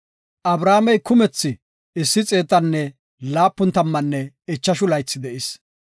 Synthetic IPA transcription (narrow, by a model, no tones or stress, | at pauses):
ʔɐbɾaːmɛjkʊmɛt͡sːɪ | ɪsːɪt͡sʼe̞ːt̪ːɐnːɛ | laːpːʊnt̪ɐmːɐnːɛ | ɛt͡ʃːɐʃʊlɐjt͡sːɪd̪ɛʔɪs